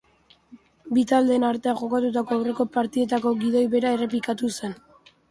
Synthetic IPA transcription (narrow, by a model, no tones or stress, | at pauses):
bit̪ald̪e̞ːnaɾt̪e̞aʝo̞kat̪ut̪ako̞awre̞ko̞paɾt̪ie̞t̪ako̞ɡiðo̞jβe̞ɾae̞re̞pikat̪use̞n